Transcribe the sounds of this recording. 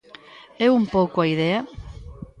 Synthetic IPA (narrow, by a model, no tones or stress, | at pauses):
eumpowkoaiðea